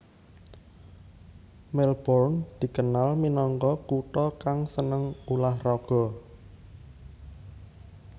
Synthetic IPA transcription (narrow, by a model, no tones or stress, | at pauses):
mɛlb̥ɔrnd̪̥i̤kənalminɔŋkɔkuʈ̪ɔkaŋsənəŋulahrɔɡ̥ɔ̤